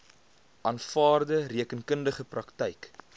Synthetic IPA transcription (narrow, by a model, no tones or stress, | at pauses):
ʔɑːnfɑːrdəriəkənkəndəχəprɐktɛjk